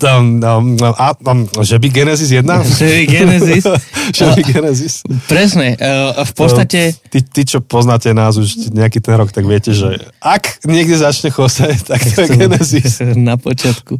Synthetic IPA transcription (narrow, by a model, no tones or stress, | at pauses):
ʔaʒɛbiɡɛnɛzizjɛd̪naʒiɡɛnɛzisʒɛbiɡɛnɛzispɾɛsɲɛfpɔst̪acɛt̪it̪it͡ʃɔpɔznaːcɛnaːzuʃɛɲɛakiːt̪ɛnɾɔkt̪aɡʋɪɛcɛʒɛʔakɲɪɛɡd̪jɛzat͡ʃɲɛxɔsact̪akt̪ɔɾɛɡɛnɛzisnapɔt͡ʃɪat̪ku